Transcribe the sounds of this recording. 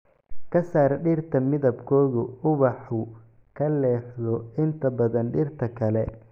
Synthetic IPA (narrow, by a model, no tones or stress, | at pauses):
kʰɐsaːɾɖɪrt̪ʰɐmɪðɐbkʰɔːɣʊʊβɑħʊ | kʰɐlɛːħðɔɪnt̪ʰɐbɐðɐnɖɪrt̪ʰɐkʰɐlɛ